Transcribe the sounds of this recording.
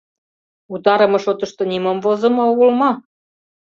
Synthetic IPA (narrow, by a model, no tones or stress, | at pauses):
ut̪ɑɾɤ̆mɤ̆ʃot̪ɤə̆ʃt̪ŏnimomvozɤ̆mŏoɣolmɑ